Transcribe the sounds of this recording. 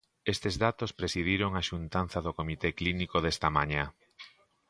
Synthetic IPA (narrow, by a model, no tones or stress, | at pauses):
est̪ezðat̪ospɾesiðiɾoŋaʃunt̪an̟θɐðokomit̪eklinikoðest̪ɐmaɲa